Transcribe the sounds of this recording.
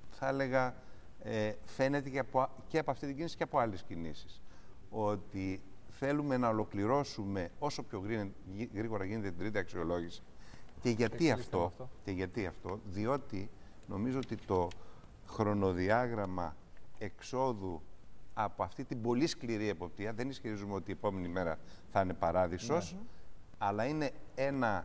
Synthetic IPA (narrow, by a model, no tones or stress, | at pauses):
θɐele̞ɣɐ | efe̞ne̞t̪epoceɐpo̞ɐft̪it̪iɲɟinisi̥ceɐpo̞ɐlescinisi̥s | o̞t̪iθe̞lume̞nɐo̞lo̞kliɾo̞sume̞o̞so̞pço̞ɣɾiɣɾiɣo̞ɾɐʝinet̪et̪id̪ɾit̪iɐksio̞lo̞ʝisi̥ce̞ʝɐt̪iɐft̪oce̞ʝɐt̪iɐft̪o̞ðio̞t̪ino̞mizo̞o̞t̪it̪o̞ | xɾo̞no̞ðiɐɣɾɐmɐe̞kso̞ðuɐpoɐft̪it̪ibo̞liskliɾie̞po̞p̚t̪iɐðe̞nisçeɾizumeo̞t̪ie̞po̞me̞nime̞ɾɐθɐine̞pɐɾɐðiso̞s | ɐlɐine̞e̞nɐ